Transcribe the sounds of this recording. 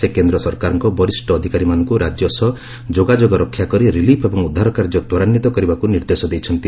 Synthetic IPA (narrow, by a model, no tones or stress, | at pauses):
ekend̪ɾɔsɔɾkaɾɔŋkɔbɔɾisʈɔːd̪ʱikaɾimanɔŋkuɾad͡ʒjɔsɔ | d͡ʒoɡad͡ʒoɡɔɾɔkʰːjakɔɾiɾilipʰebɔŋud̪ʱːaɾɔkaɾd͡ʒɔt̪ɔɾanːit̪ɔkɔɾibakuniɾd̪esɔd̪ejt͡ʃʰɔnt̪i